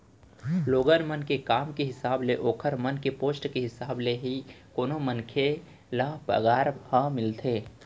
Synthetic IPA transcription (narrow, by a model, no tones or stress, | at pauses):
loːɡəɾmənkekaːmkeɦɪsaːbleʔoːkʰəɾmənkepoːsʈkeɦɪsaːbleɦi | koːnomənkʰe | laːpə̰ɡaːɾhəmɪlt̪ʰeː